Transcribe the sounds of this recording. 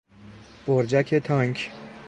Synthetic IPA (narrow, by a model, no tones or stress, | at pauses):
b̥oɾd͡ʒækʰet̪ʰɒŋkʰ